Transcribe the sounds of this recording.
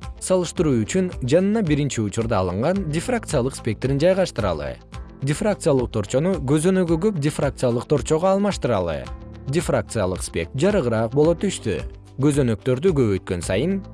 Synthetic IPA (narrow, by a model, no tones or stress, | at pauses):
sɑlˠɯʃt̪ɯɾuːyt͡ʃynd͡ʒɑnɯnɑbiɾint͡ʃiut͡ʃuɾd̪ɑːlˠɯɴʁɑndʲɪfrak̚t̪sɨjalˠɯqspʲe̞k̚t̪ɾind͡ʒɑjʁɑʃt̪ɯɾɑ̰lˠɯ̰ | dʲɪfrakt̪sɨjalˠɯq̚t̪ʰo̞ɾt͡ʃo̞nuɡø̞zø̞nø̞ɡyɡøp̚dʲɪfrak̚t̪sɨjalˠɯq̚t̪ʰo̞ɾt͡ʃo̞ʁoɑːlˠmɑʃt̪ɯɾɑ̰lˠɯ̰dʲefrak̚t̪sɨjalˠɯqspʲe̞̰k̚d͡ʒɑɾɯʁɯɾɑːq̚bo̞lˠo̞t̪ʰyʃt̪y̰ | ɡø̞zø̞nø̞k̚t̪ø̞ɾd̪yɡøβøjt̪̚kø̞nsɑ̰jɯn